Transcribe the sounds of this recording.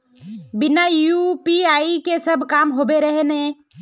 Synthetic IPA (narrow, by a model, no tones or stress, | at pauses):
bɪnajupiaːikesəbʱkaːmɦoːbeɾəɦenẽː